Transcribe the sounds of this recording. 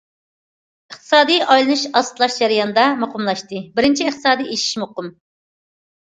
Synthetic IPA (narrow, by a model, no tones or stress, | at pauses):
əχt̪ʰɨ̥sɑːd̪ɨjʔɑjlˠɨnɨʃɑst̪lˠɑʃd͡ʒæɾijɑnɨd̪ɑmoqʰʊmlˠɑʃt̪ɨbɪɾɪnt͡ʃʰiːχt̪ʰɨ̥sɑːd̪ijeʃi̥ʃmoqʊm